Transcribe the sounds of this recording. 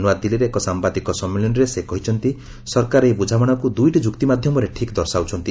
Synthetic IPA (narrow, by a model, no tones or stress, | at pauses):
nuad̪iliɾeːkɔsambad̪ikɔsɔmːilɔnɔɾesekɔɦit͡ʃʰɔnt̪i | sɔɾkaɾebud͡ʒʱamɔɽ̃ɔkud̪ujʈid͡ʒukt̪imad̪ʱjɔmɔɾeʈʰikd̪ɔɾsawt͡ʃʰɔnt̪i